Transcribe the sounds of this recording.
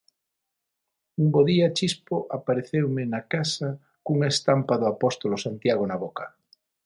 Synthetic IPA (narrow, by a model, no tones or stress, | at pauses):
umboðiat͡ʃispoʔapaɾeθewmenakasa | kuŋest̪ampaðoapost̪olosant̪jaɣ̞onaβoka